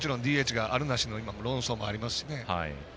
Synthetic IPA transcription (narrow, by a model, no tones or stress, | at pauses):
t͡ɕiɾõnd̪ʲiːeːt͡ɕiɡaʔaɾɯ̟naɕino̞imamo̞ɾõ̞ɰ̃so̞ːmo̞aɾʲimasɨ̥ɕine̞ha̰ḭ